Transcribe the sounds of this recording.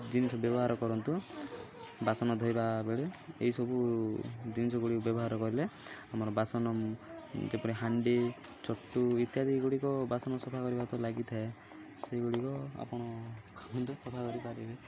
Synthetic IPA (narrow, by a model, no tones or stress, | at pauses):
d͡ʒinisɔbjɔbɔɦaɾɔkɔɾɔnt̪u | basɔnɔd̪ʱɔjbabeɭeḛɦisɔbu | d͡ʒinisɔɡuɽikɔbjɔbɔɦaɾɔkɔɾileamɔɾɔbasɔnɔmd͡ʒepɔɽiɦaɳɖe | t͡ʃɔʈːuit̪jad̪iɡuɽikɔbasɔnɔsɔpʰakɔɾibat̪ɔlaɡit̪ʰae | seiɡuɽikɔa̰pɔɽ̃ɔkʰamɔnt̪usɔpʰakɔɾipaɾibe